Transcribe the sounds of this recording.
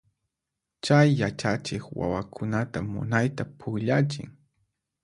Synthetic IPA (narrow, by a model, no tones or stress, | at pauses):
t͡ʃajːat͡ʃat͡ʃɪkwa̰wakʰʊnat̪amʊ̰najt̪apʰʊɡʎat͡ʃɪ̰ŋ